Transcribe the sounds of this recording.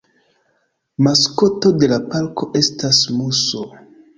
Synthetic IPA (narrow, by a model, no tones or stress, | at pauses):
masko̞to̞de̞lapalko̞ʔe̞stasmuso